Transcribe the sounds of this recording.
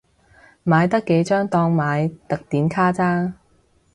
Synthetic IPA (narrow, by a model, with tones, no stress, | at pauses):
maː˨˧jt̪ɐ˥kːe˨˥jt͡ʃœː˥ŋt̪ɔː˧ŋmaː˨˧jt̪ɐ˨k̚t̪iː˨˥nkʰaː˥t͡saː˥